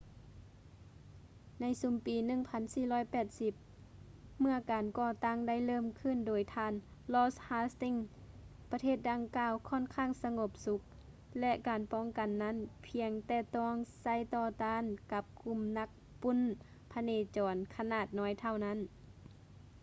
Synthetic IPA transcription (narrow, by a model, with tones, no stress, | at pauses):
na˧˥jsu˧˦mpiː˨nɯ˧˥˨ŋpʰa˧˥nsiː˧˩lɔː˧˥˨jpɛː˨˩t̪̚si˧˦p̚ | mɯ˧əkaː˨˩nkɔː˧˨t̪a˧˥˩ŋda˧˥˨jlɤː˧˥˨mkʰɯ˧˥˨ndoː˨˩jt̪ʰaː˧˨nlɔː˧˥shaː˧˥st̪i˧˥˨ŋpa˧t̪ʰeː˥˩t̪̚da˧ŋkaː˧˨wkʰɔː˧˥˨nkʰaː˧˥˨ŋsa˧ŋo˧˦p̚su˧˦k̚ | lɛ˧ʔkaː˨˩npɔː˧˥˨ŋka˨nːa˧˥˨npʰi˧əŋt̪ɛː˧˩t̪ɔː˧˥˩ŋsa˧˥˨jt̪ɔː˧˩t̪aː˧˥˨nka˧˦p̚ku˧˩˨mna˧˥k̚ | pu˧˥˨n | pʰa˧neː˧˩t͡ɕɔː˨˩nkʰa˧naː˧˩t̪̚nɔː˧˥˨jt̪ʰa˧˩wna˧˥˨n